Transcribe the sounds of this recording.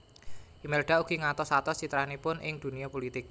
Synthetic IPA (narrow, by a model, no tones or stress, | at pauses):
ʔimɛlɖ̥auɡ̥i̤ŋat̪ɔsat̪ɔt͡ʃit̪ɾanipʊnʔɪŋd̪̥ṳnijɔpolit̪ɪk̚